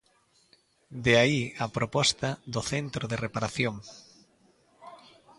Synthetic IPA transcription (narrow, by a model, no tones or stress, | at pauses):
d̪eaiapɾopɔst̪aðoθent̪ɾoðerepaɾaθjoŋ